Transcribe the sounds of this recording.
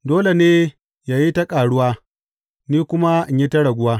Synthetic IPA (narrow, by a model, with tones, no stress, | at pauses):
doː˦le˨neː˦ | jaː˨ji˦tɐ˦kʼaː˨ɽʊ˦waː˦ | niː˦kʷʊ˦ma˦ʔɪ˨ɲji˦tɐ˦ɽɐ˨ɡʷʊ˦waː˦